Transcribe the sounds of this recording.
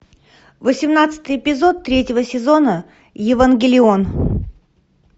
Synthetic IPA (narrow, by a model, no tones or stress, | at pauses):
vəsʲɪmnat̪sɨ̥t̪ɨjɪpʲɪzo̞t̪ːɾʲetʲɪvəsʲɪzo̞nə | jɪvənɡʲɪlʲɪon